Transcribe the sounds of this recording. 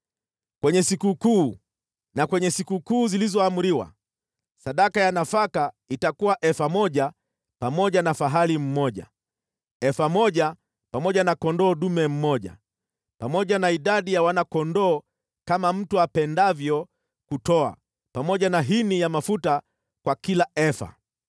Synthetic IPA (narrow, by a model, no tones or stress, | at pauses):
kwɛɲɛsikukuː | nakwɛɲɛsikukuːzilizɔamuɾiwa̰ | saɗakajanafaka | itakuwaʔɛfamɔʄa | pamɔʄanafaɦalim̩mɔʄa̰ | ɛfamɔʄa | pamɔʄanakɔndɔːɗumɛm̩mɔʄa̰ | pamɔʄanaiɗaɗijawanakɔndɔː | kamam̩tuapɛndavjɔ | kutɔa̰ | pamɔʄanaɦinijamafuta | kwakilaɛfa̰